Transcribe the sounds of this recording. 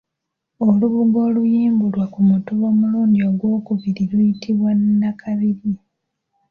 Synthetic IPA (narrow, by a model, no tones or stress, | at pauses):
oluβuɡo̞ːlujiːmbulwakumutuβo̞muluːɲɟio̞ɡwo̞ːkuβiɾilwujitʰiβwannakʰaβiɾi